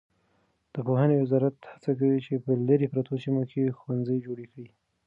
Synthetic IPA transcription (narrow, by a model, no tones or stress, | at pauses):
d̪̥əpohənewɪzɑɾat̪hḁt͡sak̬awit͡ʃepəlaɾepɾat̪osimokʰexwanzəjd͡ʒoɽekɽi